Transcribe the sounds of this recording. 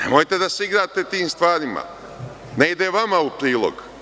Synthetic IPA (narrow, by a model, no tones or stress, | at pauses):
nḛmojt̪e̞d̪asiɡɾaːt̪e̞t̪iːmst̪ʋaːɾima̰ | neid̪eʋamaupɾiːlˠo̰ɡ